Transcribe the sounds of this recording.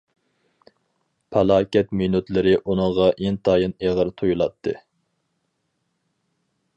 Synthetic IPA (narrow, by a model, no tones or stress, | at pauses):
pʰælˠɑːkʲɛt̪mynut̪lɪɾɪʔunɨŋʁɑʔent̪ʰɑːjɨneʁəɾt̪ʰujulˠɑt̪ʰːɨ